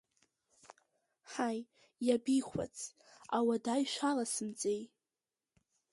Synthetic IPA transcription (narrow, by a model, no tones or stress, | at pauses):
ħaj | jabijχʷa̰t͡sʰ | awadajʃʷalasɨmd͡zʼej